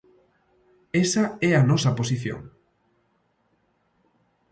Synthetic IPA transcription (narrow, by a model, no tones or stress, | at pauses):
esɐɛɐnɔsɐposiθjõ̰ŋ